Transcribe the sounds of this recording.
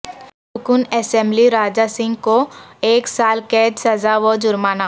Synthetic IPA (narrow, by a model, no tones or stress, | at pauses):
ssʊkuːnɛːsɛ̃mbliɾaːd͡ʒasɪ̃ŋɡkoeːksaːlkɛːd͡ʒsɐzaʋod͡ʒʊɾmaːnaː